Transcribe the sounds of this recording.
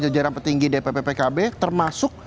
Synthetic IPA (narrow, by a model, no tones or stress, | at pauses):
d͡ʒad͡ʒaɾanpərt̪iŋɡidepepepekabet̪ərmasʊk̚